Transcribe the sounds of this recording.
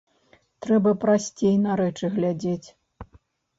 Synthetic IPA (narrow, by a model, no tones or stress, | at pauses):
t̪ɾɛbɐpɾasʲt͡sʲejnɐɾɛt͡ʂɨɣlʲad͡zʲet͡sʲ